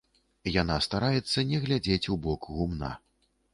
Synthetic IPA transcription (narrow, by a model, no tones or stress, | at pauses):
jan̪ast̪aɾajɛt̪sːɐnʲɛɣlʲad͡zʲet͡sʲubɔkɣumna̰